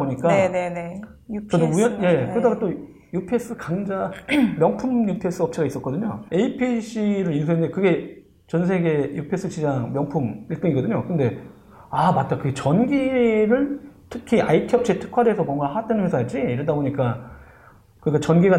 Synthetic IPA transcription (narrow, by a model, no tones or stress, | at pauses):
boɲik͈anenet͡ɕʌduuɲʌnje̞kɯɾʌdaɡat͈o | jupʰes͈ɯkaŋd͡ʑamjʌŋpʰumjupʰe̞s͈ɯʌp̚t͡ɕʰiɡais͈ʌt̚k͈ʌdɯɲo̰e̞ipʰiɕʰiɾɯɾins̬ʰuendekɯɡe̞ | t͡ɕʌns̬ʰe̞ɡe̞jupʰe̞s͈ʰɯt͡ɕid͡ʑaŋmjʌŋpʰumiɭt͈ɯŋiɡʌdɯɲokɯnde̞ | amat̚t͈akɯɡet͡ɕʌnɡiɾɯɭtʰɯkʰiaitʰiʌp̚t͡ɕʰietʰɯ̥kʰwadeesʰʌmwʌŋɡahaat͈anɯnwe̞sʰajad͡ʑ͈iiɾɯndaboɲik͈a | kɯik͈at͡ɕʌnɡiɡa